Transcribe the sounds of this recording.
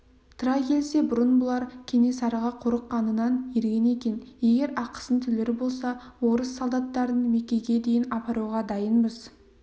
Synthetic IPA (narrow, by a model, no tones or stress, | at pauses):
t̪ʰʊɾɑjkʲʰe̞lse̞bʊɾənbʊlˠɑɾkʲʰe̞ne̞sɑɾɑʁɑqʰʊɾəqːɑnənɑnjeɾɡʲe̞ne̞kʲe̞nje̞ɡʲe̞ɾɑqə̥sənt̪ʰʏleɾɪbo̞lˠsɑwo̞ɾəsːolˠd̪ɑt̪ːɑɾənme̞kʲe̞ɡʲe̞d̪e̞jɪnɑpɑɾuwʁɑd̪ɑjənbəz